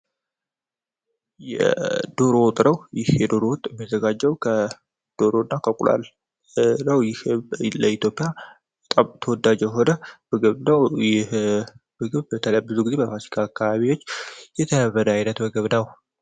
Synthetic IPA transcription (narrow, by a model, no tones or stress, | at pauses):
jɛ̰d̪o̞ɾo̞t̪ʼɾəwjɪhjɛd̪o̞ɾo̞wʊt̪ʼɛmːizəɡad͡ʒːəwkʰə | d̪̥o̞ɾo̞nːakʰəkʼula̰l | nəwjɪhləit̪jo̞pʼija | bət̪ʼamt̪ʰəwɔd̪ad͡ʒɛɦo̞nəbɨɡɨβnəwjɛhbɨɡɨβbət̪ʰələbːɨzuɡizebəpasi̥kʰaːkːaβaβiwo̞t͡ʃːjɛt̪ʰənəβəd̪əajnət̪bɨɡɨβnəw